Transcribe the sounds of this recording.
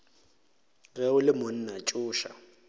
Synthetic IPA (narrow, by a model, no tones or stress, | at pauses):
ɣɛʊlɪmʊn̩nat͡ʃʼʊːʃa̰